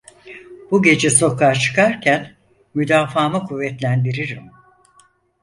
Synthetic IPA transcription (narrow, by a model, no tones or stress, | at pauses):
b̥uɟe̞d͡ʒɛso̞kʰaɾt͡ʃʰɯ̥kʰaɾcʰæn | myd̪aːfaːmɯkʰuvːɛt̪lʲænd̪iɾiɾim